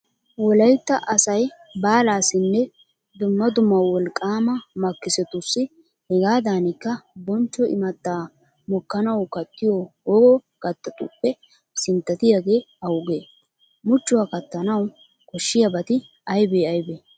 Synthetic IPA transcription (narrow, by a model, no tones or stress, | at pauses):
wɔlɐjt̪ːɐʔɐsɐj | baːlaːsɪnːɛ | d̪ʊmːɐd̪ʊmːɐwwɔlkʼaːmɐmɐkːɪsɛt̪ʊsːɪ | hɛɡaːd̪aːnɪkːɐbɔnt͡ʃːɔʔɪ̰mɐt̪ːaː | mɔkːɐnɐwkɐt̪ːɪjɔwɔɡɔ | ɡ̥ɐt̪ːɐt̪ʼʊpːɛ | sɪnt̪ːɐt̪ɪjaɡe̞ː | ɐwʊɡeː | mʊt͡ʃːʊwakɐt̪ːɐnɐw | kɔʃːɪjɐbɐt̪ɪ | ɐjbeːɐjbeː